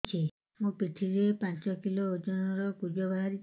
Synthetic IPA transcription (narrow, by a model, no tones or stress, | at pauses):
t͡ʃʰi | mũpiʈʰiɾepant͡ʃɔkiloːd͡ʒɔnɔɾɔkud͡ʒɔbaɦaɾi